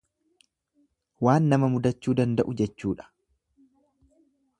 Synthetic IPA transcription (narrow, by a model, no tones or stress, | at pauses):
waːnːɐmɐmʊd̪ɐt͡ʃːuːd̪ɐnd̪ɐʔʊd͡ʒɛt͡ʃːuːᶑɐ̥